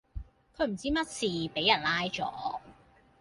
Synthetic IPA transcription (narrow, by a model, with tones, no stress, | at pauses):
kʰɵ˨˧ɥm̩˨˩t͡siː˥mɐ˥t̚siː˨pe˨˥jɐ˨˩nlaː˥jt͡ʃɔ̰ː˨˦